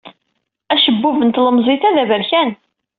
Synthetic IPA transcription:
æʃəbːuvənt̪ləmzˤiθæðævəɾçæn

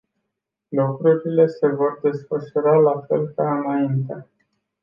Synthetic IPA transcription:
lukɾuɾile̞se̞vo̞rd̪e̞sfəʃuɾalafe̞̰lkaɨnaint̪e

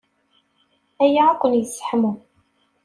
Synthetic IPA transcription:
æjaʕakʷːənjəsːħmu

